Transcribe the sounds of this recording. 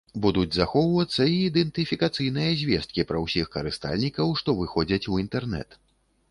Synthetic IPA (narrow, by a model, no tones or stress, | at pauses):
bud̪ud͡zʲzaxɔwvɐt̪sːɐiːd̪ɛnt̪ɨfʲikat̪sɨjnɨjɐzʲvʲɛst̪̚kʲipɾɐwsʲixkɐɾɨst̪a̰lʲnʲikɐwʂt̪ɔvɨxɔd͡zʲɐt͡sʲuint̪ɛrnɛ̰t̪